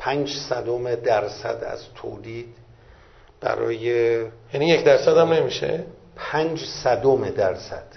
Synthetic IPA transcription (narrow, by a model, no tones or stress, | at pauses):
pʰænd͡ʒsæd̪omed̪æɾsæ̰d̪æ̰zt̪ʰo̰ːliːd̪ | b̥æ̰ɾɒ̰ːjejænijecʰd̪æɾsæd̪æmne̞miʃḛpʰænd͡ʒsæd̪omed̪æɾsæ̰d̪̥